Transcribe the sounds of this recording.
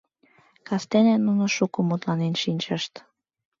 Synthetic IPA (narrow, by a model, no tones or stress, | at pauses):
kɑst̪enenːunoʃukomut̪lɑnenʃinʲt͡ɕəʃt̪